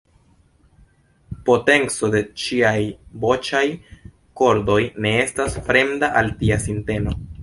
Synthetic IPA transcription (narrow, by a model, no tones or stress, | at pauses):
po̞te̞nt͡so̞de̞t͡ʃiajbo̞t͡ʃaj | ko̞ɾdo̞jne̞e̞stasfɾe̞mdaʔaltiasinte̞no̞